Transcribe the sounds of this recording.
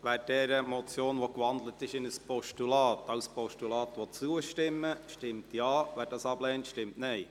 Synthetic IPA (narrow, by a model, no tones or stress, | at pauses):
ʋæːɾd̥ɛːɾəmɔt͡sjoːnʋokʋɑnd̪lətɪʃɪnəspɔʃtulɑːtɑʊspɔʃtulɑːt̪ʋɔt͡suəʃtɪmːəʃtɪmtjɑːʋæːɾdɑːsɑblɛːntʃtɪmtnɛɪ